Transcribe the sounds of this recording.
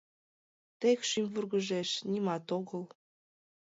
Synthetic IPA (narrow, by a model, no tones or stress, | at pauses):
t̪ekʃymʲvurɣəʒeʃnʲimɑt̪oɣəl